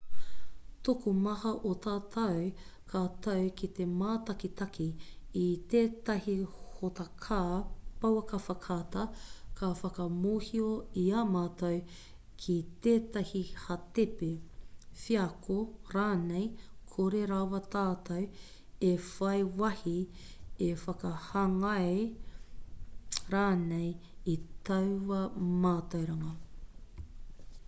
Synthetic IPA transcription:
tokumɐhɐʔot̪aːt̪ʰɐw | kʰaːt̪ɐwkit̪emaːtɐkit̪ɐkʰiː | t̪eːtɐhihotɐkʰapɐwɐkɐfɐkʰaːtɐkʰafɐkɐmoːhioiaːmaːtɐw | kʰit̪eːt̪ɐhihɐt̪epefiɐkʰoɾaːnejkʰoɾeɾawɐt̪aːt̪ɐw | efɐjwɐhi | efɐkɐhɐŋɐe | ɾaːnej | it̪ɐwwɐmaːt̪ɐwɾɐŋɐ

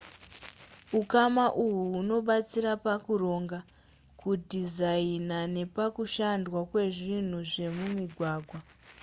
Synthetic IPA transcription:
ukamaʔuɦuːno̞ɓat͡siɾapakuro̞ːŋɡa | kudizainane̞pakuʃandwakwe̞ʐin̤uʐe̞mumiɡʱwaːɡʱwa

